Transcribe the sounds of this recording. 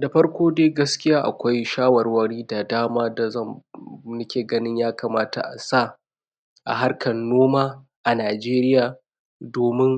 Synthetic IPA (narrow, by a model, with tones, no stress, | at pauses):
da˨ɸɐ˦rkʷoː˦deː˦ɡɐ˦skʲɪ˦jaː˦ʔa̰˨kʷa˦jʃaː˦wɐ˨rwɐ˦ɽiː˦da˨daː˦maː˦da˨zɐ˦˨mnʊ˦kʲeː˨ɡɐ˦nɪ˦ɲjaː˦kaː˨maː˦ta̰˨ʔa̰˨sa˦˨ | ʔa̰˨ɦa˦rkʰɐ˨nːoː˦maː˦ | ʔa˨naː˨d͡ʒeː˦ɾɪ˦jaː˨ | doː˨mɪ˦ŋ